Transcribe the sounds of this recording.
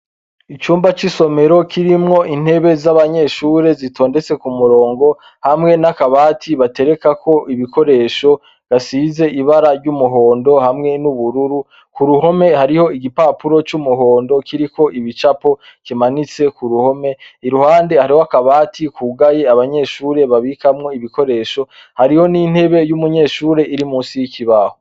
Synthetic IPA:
it͡ʃuːmbat͡ʃiso̞me̞ɾo̞kʰiɾimŋo̞ʔin̥he̞βe̞zaβaɲe̞ːʃuːɾe̞zitʰo̞ːnde̞t͡se̞kumuɾo̞ːŋɡo̞ | hamŋe̞nakaβaːtʰiβate̞ɾe̞kakʰo̞ʔiβiko̞ɾe̞ːʃo̞ | ɡ̥asize̞ʔiβaɾaɾɟumuɦo̞ːndo̞hamŋe̞nuβuɾuɾu | kuɾuɦo̞me̞haɾiho̞iɡipaːpuɾo̞t͡ʃumuɦo̞ːndo̞kiɾiko̞ʔiβit͡ʃapo̞ | kimanit͡se̞kuɾuho̞me̞iɾuhaːnde̞haɾihoakaβaːtikuːɡaje̞aβaɲe̞ːʃuːɾe̞βaβikamŋo̞iβiko̞ɾe̞ːʃo̞ | haɾiho̞nin̥he̞βe̞jumuɲe̞ːʃuːɾe̞ʔiɾimuːsijikiβaho

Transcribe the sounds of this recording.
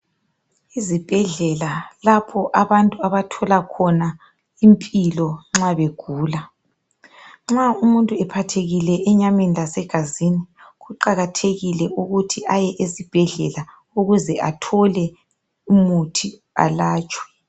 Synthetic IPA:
izib̥ʱɛɮɛlalapʰɔʔaβantʼuaβatʰɔlakʰɔna | impʼilɔŋ͡ǁaβeɡ̥ʱuːla | ŋ͡ǁaumuntʼuɛpʰatʰeɣilɛʔɛɲamenilasɛɡ̥ʱaziniɣuǃaɣatʰeɣilɛʔuɣutʰiʔajɛʔezib̥ʱɛɮɛla | uɣuzɛʔatʰɔlɛ | umutʰi | a̰laːt͡ʃʼwɛ̥

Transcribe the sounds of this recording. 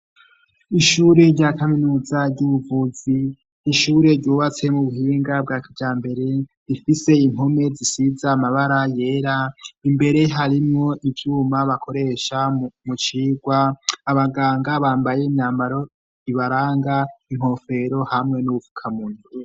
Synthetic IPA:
iʃuːɾe̞ɾɟakaminuːzaɾɟuuvuzi | niʃuːɾe̞ɾɟuːβat͡se̞muβuɦiːŋɡab̚ɡaːkid͡ʒaːmbe̞ɾe̞ɾifise̞iŋɦo̞me̞zisizamaβaɾaje̞ːɾaimbe̞ɾe̞ɦaɾimŋo̞ʔivjuːmaβakʰo̞ɾe̞ʃamut͡ʃiːɡwaːβaɡaːŋɡaβaːmbaje̞inaːmbaɾo̞ | iβaɾaːŋɡaiŋ̥ho̞fe̞ɾo̞hamŋe̞nuβuvukʰamuːnu

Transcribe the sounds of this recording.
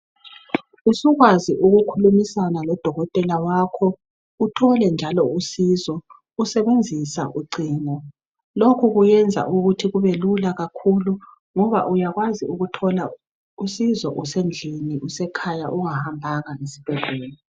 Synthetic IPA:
usuɣwaziʔuɣukʰulumisanalɔd̥ʱɔɣɔtʼɛlawaːkʰɔ | utʰɔlɛnd͡ʒʱalɔusizɔ | usɛβend͡zʱisa̰ʔuɡ͡ǀiːnɔ | lokʰuɣujɛnd͡zʱa̰ʔuɣutʰiɣuβelulaɣakʰulu | ŋɔβa̰ʔujaɣwaziuɣutʰɔla | usizɔʔusend͡ɮʱiniʔusɛkʰaja̰ʔuŋahambʱaɣaesi̥b̥ʱɛɮʱɛːlɛ

